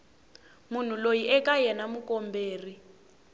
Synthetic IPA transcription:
mun̤ulojiʔɛkajɛnamukɔmbeːri

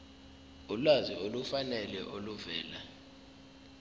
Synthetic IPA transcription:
ulwaziolufanɛlɛ̰ʔoluvɛːla

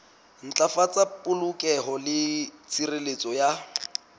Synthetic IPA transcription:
n̩t͡ɬʼafat͡sʼapʼʊlʊkʼɛɦɔlɪt͡sʰirelet͡sʼɔja

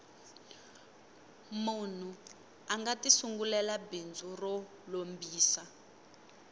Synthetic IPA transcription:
mun̤u | aŋɡatisuŋɡulɛlabind͡zurɔ | lombiːsa

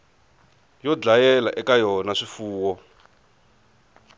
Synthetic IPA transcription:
jɔd͡ɮajɛlaʔɛkajɔnaʂifuːwɔ

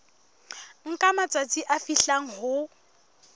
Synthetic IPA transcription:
ŋ̩kʼamat͡sʼat͡sʼiʔafiɬaŋ̩ɦʊ

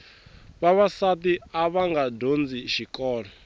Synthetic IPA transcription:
βaβasat̪iaβaŋɡadond͡ziʃikʼɔːɺɔ

